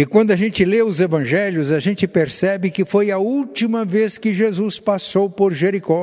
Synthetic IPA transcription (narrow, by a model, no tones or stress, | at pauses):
ɪkwɐ̃nd̪ʊɐʒẽnt͡ʃɪleʊzevɐ̃ʒɛljʊzɐʒẽnt͡ʃɪpeɾsɛbɪkɪfojɐuwt͡ʃimɐveskɪʒezuspasowpoɾʒeɾikɔ